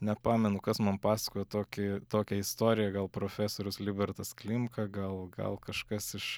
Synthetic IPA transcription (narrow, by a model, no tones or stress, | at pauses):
nʲɛpɑːmʲɛnʊkɐsmɐnpɑːsɐ̥koːjɛt̪oːkʲɪt̪oːkʲɛɪst̪oːɾʲɪjɛɡɐlˠpɾoːfʲæːsoːɾʲʊslʲɪbʲɛɾt̪ɐsklʲɪmkɐɡɐlˠɡɐ̰lˠkɐʃkɐsɪʃ